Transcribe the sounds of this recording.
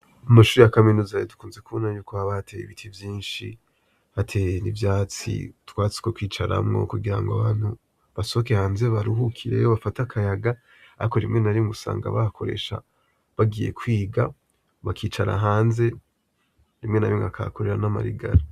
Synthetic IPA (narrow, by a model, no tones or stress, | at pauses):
amaʃuːɾijakaminuzajodu̥kuːnzekuβonajuːkoaβatʰejḭβitʰivjiːnʃi | hatʰejenivjaːt͡sḭtwaːt͡si̥kokwiːt͡ʃaɾa̰mŋo̞̰kuɡiɾaŋɡoaβaːn̥hu | βaso̞oke̞haːnze̞βaɾuɦukʰiɾe̞̰joβafatakʰajaɡa | a̰koɾimŋe̞naɾimusa̰ːŋɡa̰βahakʰo̞ɾe̞̰ʃa̰ | βaɡije̞̰kwiːɡa | βakʰiːt͡ʃaɾa̰ɦaːnze̞ | ɾimŋe̞naβiŋɡa̰kʰa̰koɾe̞ɾanama̰ɾḭɡa̰ɾa